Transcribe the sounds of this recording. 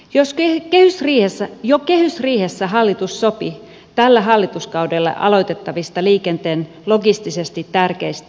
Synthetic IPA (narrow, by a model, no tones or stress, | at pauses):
joskkehysriːhesːæjokehysriːhesːæɦɑlːit̪usːopi | t̪ælːæɦɑlːit̪uskɑwdelːɑ̰ʔɑ̰lo̞it̪et̪ːɑʋist̪ɑliːkent̪eːn | loɡist̪isest̪it̪ːærkeist̪